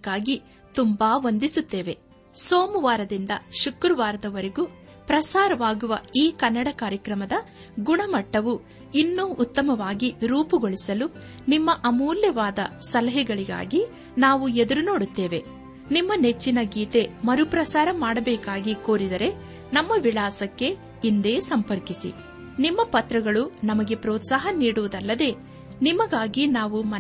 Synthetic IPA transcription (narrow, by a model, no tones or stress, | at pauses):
kaːɡi | t̪umbaːʋond̪isut̪ːe̞ːʋe̞ | so̞ːmuʋaːɾɐd̪ind̪ɐʃukɾuʋaːɾɐd̪ɐʋɐɾeɡu | pɾɐsaːɾɐʋaːɡuʋɐiːkɐnːɐɽɐkaːɾjɐkɾɐmɐd̪ɐ | ɡuɳɐmɐʈːɐʋu | inːuːʔːt̪ːɐmɐʋaːɡiɾuːpuɡoɭisɐlu | nimːɐʔɐmuːljɐʋaːd̪ɐsɐlɐɦɛɡɐɭiɡa̰ːɡi | naːʋued̪ɐɾuno̞ːɽut̪ːeːʋe̞ | nimːɐne̞t͡ʃːinɐɡiːt̪e̞mɐɾupɾɐsaːɾɐmaːɽɐbɛːkaːɡiko̞ːɾid̪ɐɾe̞ | nɐmːɐʋiɭaːsɐkːe̞ | ind̪e̞ːsɐmpɐɾkisḭ | nimːɐpɐt̪ɾɐɡɐɭunɐmɐɡe̞pɾoːt̪saːɦɐniːɽuʋɐd̪ɐlːɐd̪e̞ː | nimɐɡaːɡinaːʋumɐ